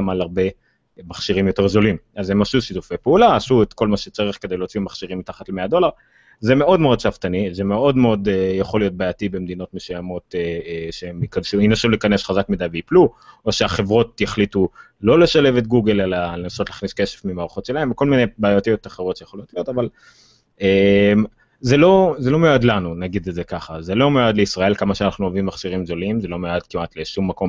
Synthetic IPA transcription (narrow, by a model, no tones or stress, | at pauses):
malaʁbe̞ | maχʃiʁimjo̞te̞ʁzo̞limazemaʃuʃitufejpeulaːsuet̪ko̞lmaʃet͡saʁiχked̪e̞jleot͡simaχʃiʁimit̪aχatlemead̪o̞laʁ | zemeo̞d̪meo̞d̪̚ʃaft̪anizeme̞o̞dmeo̞d̪jaχo̞lijo̞t̚bajatibe̞md̪ino̞t̪mesujamo̞teʃeemikanʃuinasulikane̞sχazakmidajveipluo̞ʃeaχe̞vʁo̞tjaχlitu | lo̞le̞ʃale̞vetɡuɡelelalenaso̞tlaːχniske̞ʃefmimaːʁaχo̞tʃelae̞mvko̞lminejbaːjot̪ijo̞t̪aχeʁotʃejaχolijo̞tlijo̞taval | em | zelo̞zelo̞mead̪lanunaɡid̪edzekaχazelo̞mead̪leisʁae̞lkamaʃeanaχnuavimːaχʃiʁimzolimzelo̞mead̪̥kimʔat̪leʃumːako̞m